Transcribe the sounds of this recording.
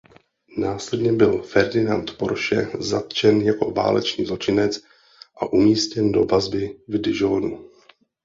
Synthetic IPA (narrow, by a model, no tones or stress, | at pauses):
naːslɛdɲɛbɪlfɛɾdɪnant̪poɾʃɛ̰zat̪t͡ʃɛnjako̞̰va̰ːlɛ̰t͡ʃɲiːzlo̞t͡ʃɪnɛt͡s | ʔaʔumiːscɛndo̞̰vazbɪvdɪʒoːnu